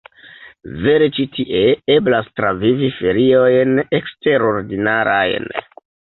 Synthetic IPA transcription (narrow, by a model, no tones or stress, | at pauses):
ve̞ɾet͡ʃitʰiʔe̞eblastɾavivife̞ɾio̞jne̞kste̞ɾo̞ɾdinaɾa̰jn